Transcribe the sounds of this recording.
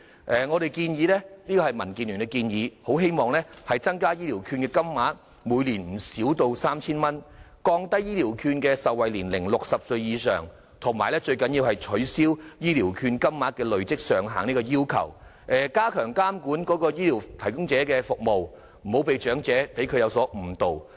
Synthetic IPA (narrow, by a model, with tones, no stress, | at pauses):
ʔɛː˨˧ŋɔː˨˧ɾe˨˩jkiː˧njiː˨˧lɛ˥liː˥kɔ˧hɐ˨jmɐ˨˩nkiː˨nly˨nɛ˧kiː˧njiː˨˧ho˨˥wɦe˥jmɔː˨ŋlɛ˥hɐ˨jt͡sɐ˥ŋkaː˥jiː˥liː˨˩wkʰyː˧nkɛː˧kɐ˥mːaː˨˥t̚ | muː˨˧jliː˨˩nm̩˨˩siː˨˥wt̪o˧wsaː˥mt͡sʰiː˥nmɐ˥n | kɔː˧ŋt̪ɐ˥jiː˥liː˨˩wkʰyː˧nkɛː˧sɐ˨wɐ˨jliː˨˩nlɪ˨˩ŋlʊ˨k̚sɐ˨p̚sɵ˧ɥjiː˨˧sœ̰ː˨ŋ | t̪ʰʊ˨˩ŋmaː˨jlɛ˥t͡ʃɵ˧ɥkɐ˨˥njiː˧whɐ˨jt͡ʃʰɵ˨˥siː˥wjiː˥liː˨˩wkʰyː˧nkɐ˥mːaː˨˥t̚kɛː˧lɵ˨ɥt͡sɪ˥k̚sœː˨ŋɦaː˨˩ŋniː˥kɔː˧jiː˥wkʰɐ̰˨˩w | ʔɛː˨kaː˥kʰœː˨˩ŋkaː˥mkuː˨˥nkɔː˨˥kɔː˧jiː˥li˨˩wt̪ʰɐ˨˩jkʊ˥ŋt͡sɛː˨˥kɛː˧fʊ˨k̚mo˨w | m̩˨˩ho˨˥wpe˨˧jt͡ʃœː˨˥ŋt͡sɛː˨˥pe˨˥jkʰɵ˨˧ɥjɐ˨˧wsɔː˨˥m̩˨˩t̪o˨w